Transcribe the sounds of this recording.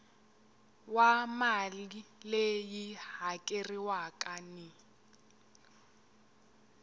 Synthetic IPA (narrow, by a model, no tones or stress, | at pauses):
wamalilejihakʼeriwakʼani